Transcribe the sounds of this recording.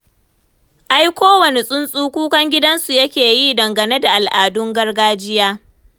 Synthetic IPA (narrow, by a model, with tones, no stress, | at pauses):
ʔa˦jkʷoː˦wɐ˨ne˨sʼʊ˦nsʼuː˦kʷuː˦kɐ˦ŋɡʲɪ˦dɐ˦nsu˨jɐ˦kʲeː˨jiː˦dɐ˨ŋɡɐ˨ne˦da˨ʔa˨lʔaː˨dʊ˦ŋɡɐ˦rɡaː˦d͡ʒɪ˦jaː˦